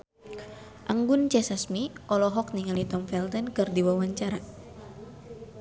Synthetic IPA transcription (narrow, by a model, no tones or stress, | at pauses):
ʔaŋɡunt͡ʃɛsasmiʔɔlɔɦɔk̚niŋalit̪ɔmfɛlt̪ɛnkɨrdiwawaɲt͡ʃaɾa